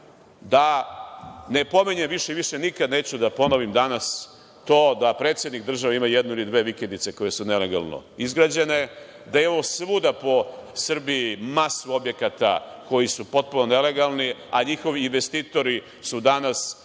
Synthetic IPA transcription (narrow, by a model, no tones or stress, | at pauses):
d̪a | ne̞po̞miɲemʋiʃeiʋiʃenikad̪ne̞ːt͡ɕud̪apo̞noʋimd̪anas | t̪o̞ːd̪apɾe̞ːt̪sjed̪nik̚d̪r̩ʒaʋaimajed̪nuilid̪ʋe̞ːʋikend̪it̪se̞ko̞je̞sune̞leɡa̰lˠno̰izɡɾad͡ʑe̞ne̞ | d̪ajeo̞ʋosʋud̪apo̞sr̩bijimasuo̞bje̞kat̪a̰ko̞jisupo̞t̪̚punone̞le̞ɡalˠniaɲixo̞ʋiːnʋe̞st̪iːt̪o̞ɾi | sud̪anas